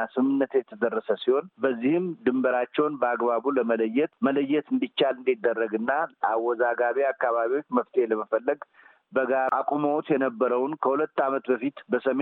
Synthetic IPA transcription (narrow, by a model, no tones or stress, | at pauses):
asɨmːɨnːət̪jɛt̪ʰəd̪ərːəsəsiho̞nbəzːihɨmd̪ɨmbəɾat͡ʃːɛwnbəaɡβaβuləmələjːɛt̪mələjːɛt̪ɨnd̪it͡ʃːalɨnd̪id̪ːərːəɡɨnːalawːɔzaɡaβiakːaβaβio̞t͡ʃːməft̪ʰeheləməfəlːəɡ | bəɡaɾakʼumowt̪jɛnəbːəɾəwnkʰəhulət̪ːamət̪bəfit̪bəsəme